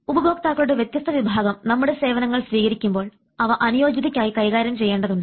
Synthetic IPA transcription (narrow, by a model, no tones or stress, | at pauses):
ubɐbo̞ːk̚t̪aːɣɐɭuɽeʋjet̪jɐst̪ʰɐʋibʱaːɡɐmnɐmːuɽe̞se̞ːʋɐnɐŋːɐɭsʋiːɣɐɾikʲːumbo̞ːɭ | ɐʋɐʔɐnijo̞ːd͡ʑɐðɐkʲːaːjikɐjɣaːɾjɐmt͡ɕe̞jːe̞ːɳɖɐðuɳɖɨ